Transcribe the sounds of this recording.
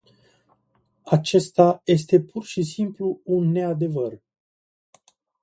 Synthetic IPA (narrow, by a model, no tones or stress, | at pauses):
at͡ʃe̞st̪aje̞s̬t̪e̞pʰurʃisimpluːnːe̞ad̪e̞vər